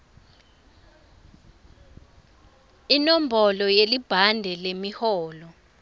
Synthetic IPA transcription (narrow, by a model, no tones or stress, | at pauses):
inɔm̩bʱɔlɔjelib̥ʱandʱɛlemihɔːlɔ